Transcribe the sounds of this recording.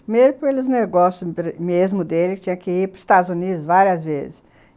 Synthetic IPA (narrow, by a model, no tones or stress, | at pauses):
pimejɾʊpelʊzneɡɔsjʊɾmezmʊd̪elɪt͡ʃĩɲɐ̃kɪiɾpʊi̥st̪ad̪ʊzunid̪ʊzvaɾiɐzvḛzɪs